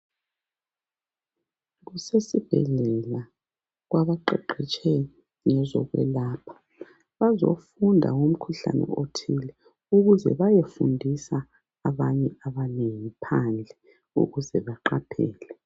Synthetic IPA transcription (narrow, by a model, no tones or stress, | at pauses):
ɣusesib̥ʱɛ̰ɮɛla | ɣwaβaǃɛǃɛt͡ʃʰʼɛ | ŋɛzɔ̰ɣwɛ̰laːpʰḁ | βazo̰fundʱa̰um̩kʰuɬa̰nɛ̰otʰilɛ | uɣuzɛ̰βajefṵndʱisaː | βaɲɛaβaneŋipʰand͡ɮʱɛ | ṵɣuzɛβaǃapʰɛ̰ːlɛ